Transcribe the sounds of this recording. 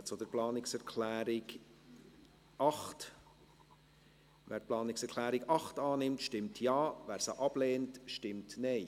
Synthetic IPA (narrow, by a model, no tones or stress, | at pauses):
t͡sod̥əɾplɑːnɪksɛɾkʰlæːɾɪɡ | ɑχt | ʋæ̰ːɾ̚plɑːnɪksɛɾkʰlæːɾɪɡɑχtɑːnɪmtʃtɪmtʰjɑːvæːɾsəʔɑb̥leːntʃtɪmtnɛɪ